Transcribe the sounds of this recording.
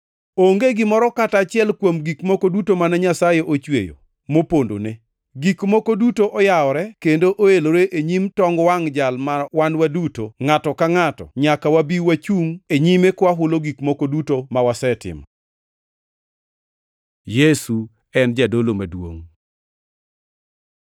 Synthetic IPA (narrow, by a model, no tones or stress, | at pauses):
oŋɡeɡɪmɔɾɔkatat͡ʃɪɛlkwomɡikmokodutomanɛɲasajeʔot͡ʃwḛjo̰ | mopondo̰ne | ɡikmokodutoʔɔjaɔɾɛkendoʔoeloɾeʔeɲimtɔŋɡwaŋd͡ʒalmawanwadutoŋatɔkaŋatɔ̰ɲakawabiwat͡ʃuŋeɲimekwaɦʊloɡikmokodutomawasɛtɪ̰mɔ | jesu | ɛnd͡ʒadolomadwo̰ŋ